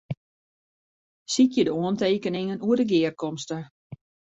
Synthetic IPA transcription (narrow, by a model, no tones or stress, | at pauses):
sitjədəoənteːkənɪŋənuərdəɡɪːərkɔmstə